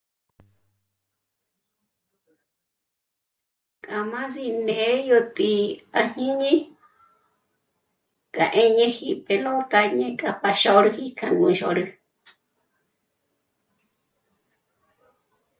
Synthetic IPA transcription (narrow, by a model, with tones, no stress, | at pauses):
kʼa˨mã˦zi˧nẽ˨˦jo˧t̪ʼi˧a˧˨ɲ̥ĩ˦ɲĩ˦ | kʼa̰˨ʔẽ˦ɲẽ˦hi˧˨pe˨lõ˦t̪a˧ɲẽ˦kʼa˧pa˧ʃo˧ɾɨ˧˦hi˦kʰa˧ŋɡũ˧˨˧ʃo̰˧˨ɾɨ˧